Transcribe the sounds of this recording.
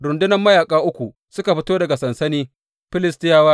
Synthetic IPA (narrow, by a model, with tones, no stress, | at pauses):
ɾʊ˨ndʊ˦nɐ˦mːɐ˦jaː˨kʼaː˦ʔʊ˦kʷu˨ | sʊ˦ka˨ɸɪ˦toː˦dɐ˨ɡa˨sɐ˨nsɐ˦niː˦ | ɸɪ˦lɪ˦stɪ˦jaː˦waː˦